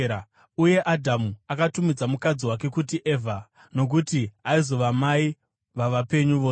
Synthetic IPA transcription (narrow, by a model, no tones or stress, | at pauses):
uje̞ʔadʱamuakatumid͡zamukad͡ziwak̬e̞kutiʔeːvʱa | no̞k̬utiaizo̞ʋamai | ʋaʋape̞ɲuʋo